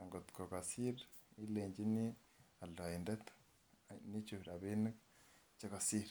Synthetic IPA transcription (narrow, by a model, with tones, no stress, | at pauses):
a˨ŋɡotu̥ko˨ka˨si˦rei˦leːɲɟi˦ni˦ | a˨la˨inde˦tḁ | ni˦t͡ʃu˨βi˨ɾa˨βe˦n˦k | t͡ʃa˦ka˨siː˦ɾe